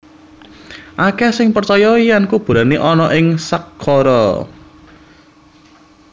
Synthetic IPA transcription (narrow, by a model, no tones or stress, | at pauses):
ʔakɛsɪŋpərt͡ʃɔjɔijankub̥ṳɾaneʔɔnɔʔɪŋsakʰːɔɾɔ̰